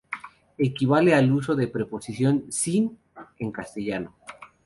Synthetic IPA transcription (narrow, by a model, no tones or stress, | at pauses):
e̞kiβale̞alus̬o̞ðe̞pɾe̞po̞sisjo̞nsin | eŋkast̪eʝano